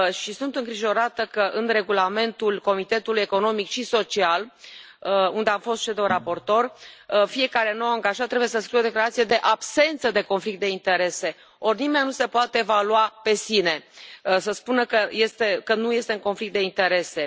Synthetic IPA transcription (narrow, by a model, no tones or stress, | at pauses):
ʃisunt̪ɨŋɡɾiʒo̞ɾat̪əkəʔɨnre̞ɡulame̞nt̪ulko̞mit̪e̞t̪uluje̞ko̞no̞mikʃiso̞t͡ʃial | und̪e̞amfo̞st̪ʃed̪owrapo̞rt̪o̞rfie̞kaɾe̞nowaŋɡaʒat̪ːɾe̞bujes̬əskɾijwod̪e̞klaɾat̪sije̞d̪e̞ʔabse̞nt̪səd̪e̞ko̞nflik̚t̪̚d̪e̞int̪e̞ɾe̞se̞ | o̞rnime̞nːnuse̞poat̪eːvaluape̞sine̞səspunəkəje̞st̪e̞kənuje̞st̪e̞uŋko̞nflik̚t̪d̪eint̪e̞ɾe̞se̞